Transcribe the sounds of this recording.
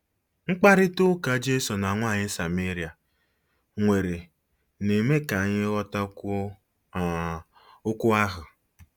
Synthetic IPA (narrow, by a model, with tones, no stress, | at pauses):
ŋ͡m̩˦k͡pa˦ɾɪ˦tʊ˦ka˨˦d͡ʒe˦sɔ˨na˨ŋʷa˦˨ɲɪ˦sa˨me˦ɾi˨a˨ | ŋʷe˨ɾe˨ | ne˨me˦ka˨ɲɪ˦ɣɔ˦ta˦˨ | ʊ˦kʊ˦a˦ɦʊ˨